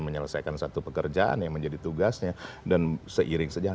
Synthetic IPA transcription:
məɲələsajkansat̪upəkərd͡ʒaa̰njaŋməɲd͡ʒadit̪uɡasɲadansəʔiɾɪŋsəd͡ʒa

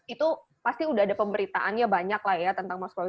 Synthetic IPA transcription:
it̪u | past̪iudaɦadapəmbəɾit̪aʔanjabaɲaklahjat̪ənt̪aŋmaska

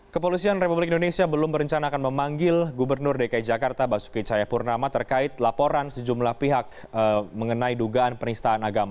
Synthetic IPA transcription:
kəpolisianrepublɪkindonesiabəlʊmbəɾəɲt͡ʃanaakanməmaŋɡɪlɡubərnʊrdekaid͡ʒakart̪abasu̥kit͡ʃajapurnamat̪ərkaɪt̪lapoɾansəd͡ʒumlahpiɦak̚ | əməŋənaiduɡaʔanpənist̪aanaɡama

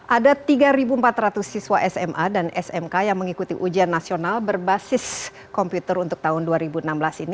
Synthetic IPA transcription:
ʔadat̪iɡaɾibuəmpat̪ɾat̪ʊsːiswaʔɛsɛmʔadanɛsɛmkajaŋməŋikut̪iʔud͡ʒianːasionalbərbasɪs | kɔmput̪əɾunt̪ʊk̚t̪aɦʊnduaɾibuənamblasini

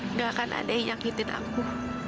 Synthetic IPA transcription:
ŋakanʔa̰daijaŋhit̪ɪnʔa̰ŋkuh

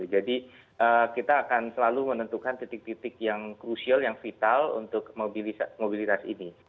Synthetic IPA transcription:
d͡ʒadi | ʔəkit̪aːkansəlalumənənt̪ukant̪it̪ɪk̚t̪it̪ɪkjaŋkɾusialjaŋfit̪alṵnt̪ʊkmobilimobilit̪asḭni

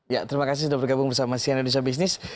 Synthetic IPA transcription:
jat̪əɾimakas̬isudahbərɡabʊŋbərsamasiandanus̬abis̬nɪs

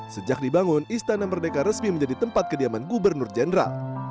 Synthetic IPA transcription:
səd͡ʒak̚dibaŋʊnist̪anamərdekaɾəsmiməɲd͡ʒadit̪əmpat̪̚kədiamanɡubərnʊrd͡ʒɛndəɾa̰l

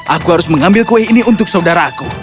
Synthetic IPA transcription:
ʔakuhaɾʊsməŋambɪlkuwɛhiniunt̪ʊk̚saudaɾaːku

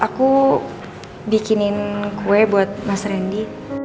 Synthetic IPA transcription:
ʔaku | bikinɪnkʰuɛbuat̪̚masɾɛndi

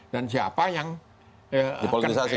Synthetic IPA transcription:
d̥ansia̰pajaŋ | ədipolit̪isasi

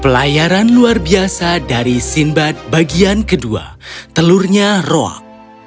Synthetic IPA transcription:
pəlajaɾanluarbiasadaɾisimbat̪̚baɡiankədua̰t̪əlurɲaroa̰k̚

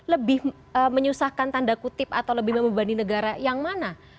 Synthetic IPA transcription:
ləbɪh | əməɲusahkant̪andakut̪ɪp̚a̰t̪awləbɪhməməmbaninəɡaɾajaŋmana

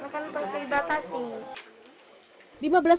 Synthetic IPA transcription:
akanpək̪əibat̪asi | limabəlas

